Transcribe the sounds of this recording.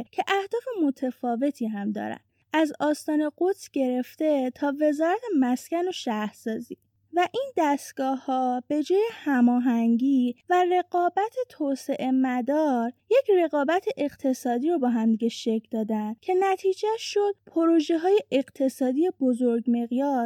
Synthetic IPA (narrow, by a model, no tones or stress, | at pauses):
cʰe̞ʔæhd̪ɒːfe̞mo̞t̪ʰefɒːve̞t̪ʰiːɦæmd̪ɒ̰ːɾæ̰nd̪ | ʔæzɒːst̪ɒːne̞ɡot̪sɟ̥e̞ɾe̞ft̪e̞t̪ʰɒːve̞zɒːɾæt̪ʰe̞mæscʲænoʃæhɾsɒːziː | væʔind̪æst̪ɡ̥ɒːhːɒb̥e̞d͡ʒɒːje̞hæmɒːɦæŋɟiːvære̞ɡɒːbæt̪ʰe̞t̪ʰoːse̞ʔe̞mæd̪ɒːɾje̞cʰre̞ɣɒːbæt̪ʰe̞ʔeqt̪ʰe̞sɒːd̪iːɾobɒːɦæmd̪iɡeʃecʰld̪ɒːd̪ænd̪cʰe̞næt̪ʰiːd͡ʒæʃʃod̪̥̚pʰoɾoʒe̞ɦɒːje̞ʔeɣt̪ʰe̞sɒːd̪ijebozoɾɡmeɣjɒː